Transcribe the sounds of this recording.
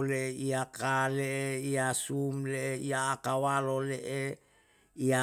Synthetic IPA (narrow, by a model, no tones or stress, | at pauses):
leeiakaleʔeiasumleeiaːkawaloleʔe | ia